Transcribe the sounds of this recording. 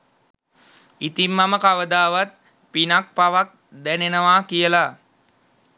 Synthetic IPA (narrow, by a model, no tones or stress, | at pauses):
it̪imːaməkaʋəd̪aːʋat̪̚ | pinak̚paʋak̚ | d̪ænenəʋakijəla